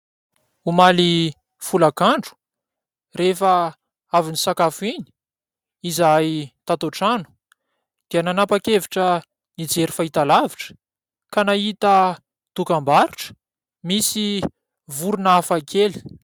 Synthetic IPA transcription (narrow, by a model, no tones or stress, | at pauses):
umali | fulakaɳɖ͡ʐu̥ | refə | avinisakafiɲi̥ | izajt̪at̪oʈ͡ʂanu̥ | d̪̥iananapakeviʈ͡ʂə | nid͡zeɾifait̪alaviʈ͡ʂə̥ | kanaɦit̪ə | t̪ukambaɾiʈ͡ʂə̥ | misi | vuɾunaafakʰeli̥